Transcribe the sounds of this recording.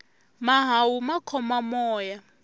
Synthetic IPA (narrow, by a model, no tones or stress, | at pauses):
maɦawumakʰɔmamɔːja